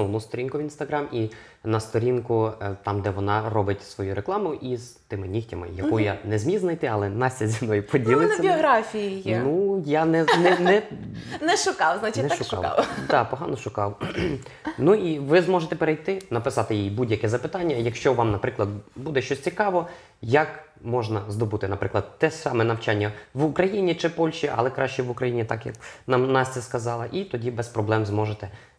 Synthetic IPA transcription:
nust̪ɔɾʲinkʊʋʲinst̪ɐɦɾɑmi | nɐst̪ɔɾʲinkʊt̪ɑmd̪ɛʋɔnɑrɔbɪtʲsʋɔjuɾeklˠɑmʊʔizt̪ɪmɪnʲixtʲɐmɪ̰jɐ̰kujanɛzmʲiznɐjt̪ɪɐlˠɛnɑsʲːɐzʲimnɔjʊpɔdʲilˠɪnɐɐiɔɦɾafʲijijnujanɛnɛnɛnɛʃʊkɑwznat͡ʃɪnɛaʃʊʃkɑ̰kɑ̰wd̪ɑpɔɦɑnɔʃʊkɑw | nuiʋɪzmɔʒet̪ɛpeɾejt̪ɪnɐpɪsɑt̪ɪjijibudʲjɐkɛzɐpɪt̪ɑnʲːɐjɐkʃt͡ʃɔʋɑmnɐpɾɪklˠɐd̪̚bud̪ɛʃt͡ʃɔsʲt͡sʲikɑʋɔ | jɐk | mɔʒnɐzd̪ɔbut̪ɪnɐpɾɪklˠɐd̪t̪ːɛsɑmɛnɐwt͡ʃɑnʲːɐʋʊkɾɐjinʲit͡ʃɪpɔlʲʃt͡ʃiʔɐ̰lˠɛkɾɑʃt͡ʃɛʋʊkɾɐjinʲit̪ɑkjɐ̰knɑmnɑsʲt͡s̪ʲɛskɐzɑlˠɐʔit̪ɔdʲibɛspɾɔblˠɛmzmɔʒet̪ɛ

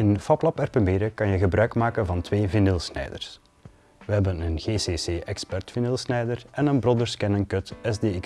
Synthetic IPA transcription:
ɪnfɑplɑpɛrpəmbɪːɾəkɑnjəɣəbɾœɥkmaːkənvɑntʋeːvɪnɪlˠsnɛ̰jdə̰r̥s | ʋəɦɛbənənɣeːseːseːʔɛkspɛrtfinɪlˠsnɛjdərɛnənbrodərskɛnəŋkɵtɛzdeːɪk

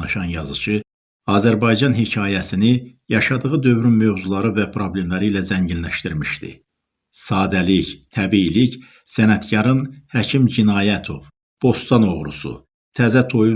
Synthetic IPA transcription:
nɑʃɑnjɑzɯt͡ʃʰɯ | ɑːzæɾbɑjd͡ʒɑnɦicʰɑːjæsini | jɑʃɑd̪ɯʁɯd̪ø̞vɾynmø̞vzulˠɑɾɯvæpʰɾo̞ble̞mlæɾiːlæzæɲɟinlæʃt̪iɾmiʃt̪ḭ | sɑːd̪ælict̪ʰæbiːlic | sænæt̪ɟɑɾɯnhæcʰimd͡ʒinɑːjæt̪ʰo̞v | b̥o̞st̪ɑno̞ʁɾṵsṵ | t̪ʰæzæt̪ʰo̞ju

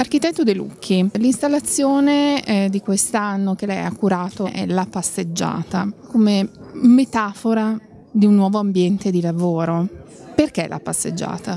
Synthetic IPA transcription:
ark̟it̪ɛt̪ːod̪elṵkʰːilinst̪alːat̪sːjoːned̪ikwest̪anːok̟elɛ̰akːuɾaːt̪oʔɛ̰lapased͡ʒːa̰ːt̪akomemet̪aːfoɾa | d̪iunːwɔːvoambjɛnt̪ed̪ilavoːɾo | perk̟elʔa̰pasːḛd͡ʒːa̰ːt̪a

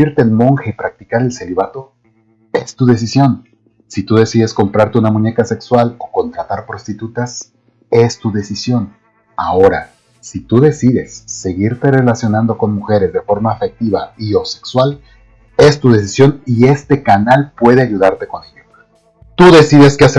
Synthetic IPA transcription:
iɾt̪e̞ːnmo̞ŋxaipɾak̚t̪i̥kaɾe̞lse̞liβat̪o̞ | e̞̰st̪uðe̞s̬isjo̞n | sit̪uðe̞siðe̞sko̞mpɾaɾt̪e̞unamũɲe̞kase̞kswalo̞ko̞nt̪ɾat̪aɾpɾo̞st̪it̪ut̪as | e̞st̪uðe̞sisjo̞n | a̰o̞ɾa̰ | sit̪uðe̞siðe̞sːe̞ɣiɾt̪e̞re̞lasjo̞nãnd̪o̞ko̞nmuxe̞ɾe̞zðe̞fo̞ɾmaːfe̞k̚t̪iβaio̞se̞̥kswal | e̞st̪uðe̞s̬isjo̞nie̞st̪e̞kanalpwe̞ð̞e̞aʝuðaɾt̪e̞ko̞neje | t̪uðe̞siðe̞skease

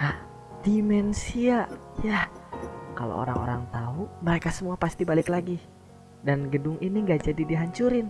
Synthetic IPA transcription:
ah | d̥imɛnsiaʔja | ka̰lo̰o̰ɾa̰ŋo̰ɾaŋt̪auməɾekasəmuapast̪ibalɪklaɡi | danɡədʊŋʔiniŋɡaʔd͡ʒadidiɦaɲt͡ʃuɾɪn

